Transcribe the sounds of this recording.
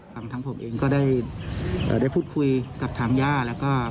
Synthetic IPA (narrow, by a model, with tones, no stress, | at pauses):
a˧ŋt̪ʰa˦˥ŋpʰo˩˦mʔeː˧ŋkɔː˥˩da˥˩j | ʔə̰ː˧˩da˥˩jpʰuː˥˩t̪̚kʰu˧jka˨˩p̚t̪ʰaː˧˥ŋjaː˥˩lɛː˦˥wkɔː˥˩